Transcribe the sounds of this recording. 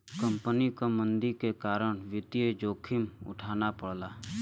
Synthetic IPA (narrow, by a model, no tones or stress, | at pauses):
kə̃mpənikamə̃nd̪ikekaːɾəɽ̃ʋɪt̪ied͡ʒoːkʰɪmʊ̰ʈʰaːnapəɽlaː